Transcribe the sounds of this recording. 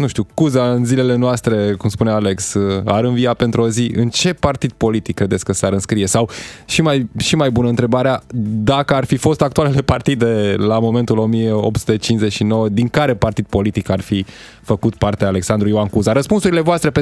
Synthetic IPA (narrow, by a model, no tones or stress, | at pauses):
nuʃt̪iukuzaɨnzile̞le̞noast̪ɾe̞kumspuneale̞ksa̰ɾɨnvijape̞nt̪ɾuoziʔɨnt͡ʃe̞part̪id̪̚po̞lit̪ikːɾed̪esʲkəsaɾɨnskɾije̞sawʃimajʃimajbunəɨnt̪ɾe̞baɾead̪akəarfifo̞st̪ak̚t̪ualele̞part̪id̪e̞lamo̞me̞nt̪ulo̞mijeo̞p̚su̥t̪e̞t͡ʃinsze̞t͡ʃʃino̞wəd̪iŋkaɾe̞part̪id̪̚po̞lit̪ikarfi | fəkut̪̚part̪eaːle̞ksand̪ɾuioankuzaɾəspunsuɾile̞voast̪ɾepe